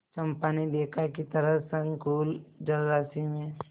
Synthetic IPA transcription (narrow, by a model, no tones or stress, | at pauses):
t͡ʃɐmpaːnid̪eːkʰakit̪ɐɾəsɐnkuːld͡ʒɐlɾasiŋẽ